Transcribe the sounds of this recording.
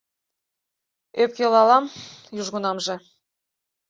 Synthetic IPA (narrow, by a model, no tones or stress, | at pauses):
øp̚kʲelɑlˠɑmjuʒɣunɑmʒɤ̆